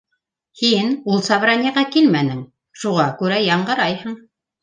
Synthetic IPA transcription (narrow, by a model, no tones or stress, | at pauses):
hinulˠsɑβrɑnʲiʁɑkilmænɘŋ | ʃuʁɑkʉɾæjɑɴɢɤ̆ɾɑjhɤɴ